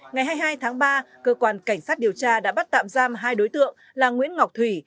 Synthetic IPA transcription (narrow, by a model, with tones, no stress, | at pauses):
ŋa˨˩jɦaː˧jɦaː˧jt̪ʰaː˨˦ŋɓaː˧kəː˧kwaː˧nka˧˩jŋsaː˦˥t̚ɗi˨˩əwt͡ɕaː˧ɗa̰ː˧˥ɓa˦˥t̚t̪a̰ː˧˨mzaː˧mɦaː˧jɗo˨˦jt̪ɨ̰˧˨əŋ | laː˨˩ŋwḭ˧˥ənŋa˨˩wk͡p̚t̪ʰwi˧˩